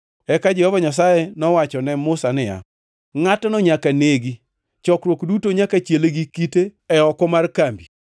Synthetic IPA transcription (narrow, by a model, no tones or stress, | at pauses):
ɛkad͡ʒɛhɔvɔɲas̬ajenɔwat͡ʃɔnɛmʊsanɪja̰ | ŋatɔnɔɲakaneɡi | t͡ʃɔkɾwokdutoɲakat͡ʃeleɡikiteɛɔkɔmarkambi